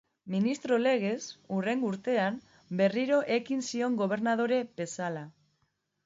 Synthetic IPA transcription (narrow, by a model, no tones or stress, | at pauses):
minist̪ɾo̞le̞ɣ̞e̞sure̞ŋɡuɾt̪e̞am | be̞riɾo̞ʔe̞kinsio̞ŋɡo̞β̞e̞ɾnað̞o̞ɾe̞be̞sala